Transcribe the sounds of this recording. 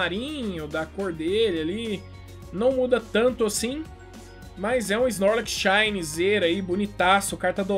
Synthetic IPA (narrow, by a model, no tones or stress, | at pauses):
aɾĩɲɲʊd̪ɐkoɾd̪elali | nɐ̃w̃mud̪ɐt̪ɐ̃nt̪ʊasĩ | mɐzɛũiznɔɾlɛkʃajnizeɾɐibunit̪asʊkaɾt̪ɐd̪o